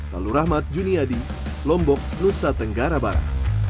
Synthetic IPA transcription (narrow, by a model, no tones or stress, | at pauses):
la̰luɾahmat̪̚d͡ʒuniadi | lɔmbɔk̚nusat̪əŋɡaɾabaɾa̰